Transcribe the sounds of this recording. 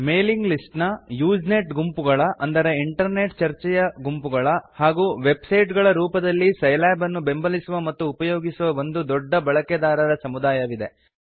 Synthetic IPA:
me̞ːliŋɡlisʈnɐjuːd͡ʒne̞ʈɡumpuɡɐɭɐʔɐnd̪ɐɾɐiɳʈɐɾne̞ːʈt͡ʃɐɾt͡ʃɛjɐɡumpuɡɐɭɐhaːɡuːʋe̞bsɐjʈɡɐɭɐɾuːpɐd̪ɐlːisɐjlaːbɐnːube̞mbɐlisuʋɐmɐt̪ːuːpɐjoːɡisuʋɐond̪ud̪ɔɖːɐbɐɭɐked̪aːɾɐɾɐsɐmud̪aːjɐʋid̪e̞

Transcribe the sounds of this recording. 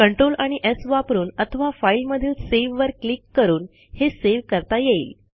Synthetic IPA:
kəɳʈɾolaɽ̃iʔesʋapɾuːnət̪ʰəʋafailməd̪ʱiːlseʋʋəɾklikːəɾuːn | heseʋkəɾt̪ajeiːl

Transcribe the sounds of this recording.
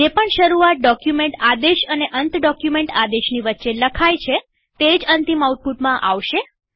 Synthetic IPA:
d͡ʒepəɳʃəɾuat̪̚ɖɔkjumeɳʈad̪eʃəneʔənt̪ɖɔkjumẽɳʈad̪eʃniʋətːʃeləkʰajt͡ʃʰe | t̪ed͡ʒənt̪imauʈ̚puʈmãʔa̰ʋʃe

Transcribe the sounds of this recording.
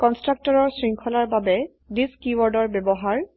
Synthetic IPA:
kɔnstɹak̚tɔɹɔɹsɹiŋkʰɔlaɹbabɛ | diskiwɔɹdɔɹbjebɔɦaɹ

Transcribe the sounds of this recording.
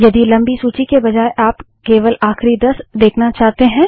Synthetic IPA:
jɐd̪ilɐ̃mbisuːt͡ʃikebɐd͡ʒaːeʔaːp | keːʋəlʔaːxɾid̪ɐsd̪eːkʰnat͡ʃaːt̪eɦɛ̃ː

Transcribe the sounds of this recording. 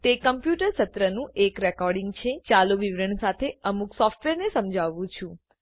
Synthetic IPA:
t̪ekəmpjuʈəɾsət̪ɾənũʔekɾɛkɔɾɖiŋɡt͡ʃʰet͡ʃaloʋiʋɾəɳsat̪ʰeəmuksɔfʈʋeɾnesəmd͡ʒʱaʋũt͡ʃʰũ

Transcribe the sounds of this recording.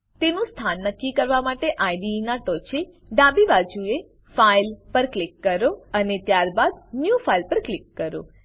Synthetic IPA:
t̪enũst̪ʰanːəkːikəɾʋamaʈeʔajɖinaʈɔt͡ʃe | ɖabibad͡ʒue | failpəɾklikːəɾoənet̪jaɾbad̪njufailpəɾklɪkːəɾo

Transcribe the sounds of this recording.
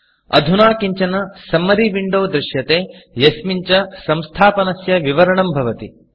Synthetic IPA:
ɐ̰d̪ʱunaːkiɲt͡ʃɐnɐsɐmːɐɾiʋiɳɖoːd̪ɾɪʃjɐt̪eːjɐsmiɲt͡ʃɐsɐ̃mst̪ʰaːpɐnɐsjɐʋiʋɐɾɐɳɐmbʱɐʋɐt̪i

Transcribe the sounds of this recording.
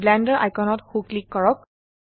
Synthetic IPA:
blɛ̃ndəɹʔa̰jkɔnɔthuklikːɔɹɔk̚

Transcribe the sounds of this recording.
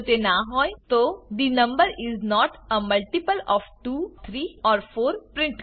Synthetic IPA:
t̪enaɦɔjt̪od̪inə̃mbəɾiznɔʈəməlʈipəlɔʋʈuːt̪ʰɾiːɔːɾfoːɾpɾɪ̃ɳʈ

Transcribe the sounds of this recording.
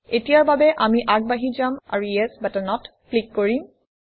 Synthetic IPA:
etijaɹbabɛʔamiʔaɡ̚baɦizama̰ɹuɛsbatanɔtplikːoɹim

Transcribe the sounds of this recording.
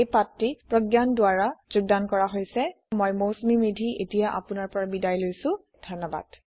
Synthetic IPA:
ejpatɹipɹɔɡjandʊaɹazʊɡ̚dankɔɹaɦojsɛ | mɔjmosmimidʱiʔetijaʔa̰pʊnaɹpɔɹabidajlojsʊ̃ | dʱɔnɔba̰d̥

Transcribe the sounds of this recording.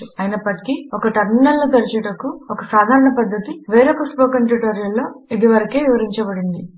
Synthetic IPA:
ɐjinɐpːɐʈi̥kiɔkɐʈɐɾminɐlːot̪ɐɾit͡ʃɐʈɐkuɔkɐsaːd̪ʱaːɾɐɳɐpɐd̪ʱːɐt̪iʋeːɾokɐspoːkɐnʈuʈoːɾijɐlːo̞ːid̪iʋɐɾɐke̞ːʋiʋɐɾiɲt͡ʃɐbɐɽind̪i

